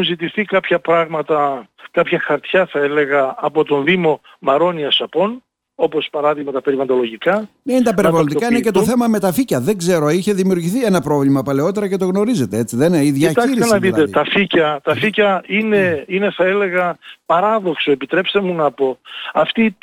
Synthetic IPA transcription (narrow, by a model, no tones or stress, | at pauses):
uzit̪iθikɐpçɐpɾɐɣmɐt̪ɐkɐpçɐxɐɾt̪çɐθɐele̞ɣɐːpo̞t̪o̞nðimo̞ | mɐɾo̞niɐsɐpo̞n | o̞pospɐɾɐðiɣmɐt̪ɐpe̞ɾivɐnd̪o̞lo̞ʝikɐneint̪ɐpeɾivɐlond̪ikɐinece̞t̪o̞θe̞mɐme̞t̪ɐficɐðe̞ŋɡze̞ɾoiçe̞ðimiuɾʝiθienɐpɾo̞vlimɐpɐle̞o̞t̪e̞ɾɐce̞t̪o̞ɣno̞ɾize̞t̪e̞et͡siðeniðjɐt̪ɐiɾisnɐðit̪et̪ɐficɐt̪ɐficɐine̞ine̞θɐele̞ɣɐpɐɾɐðo̞ksoepit̪ɾe̞pst̪e̞munɐpo̞ɐft̪i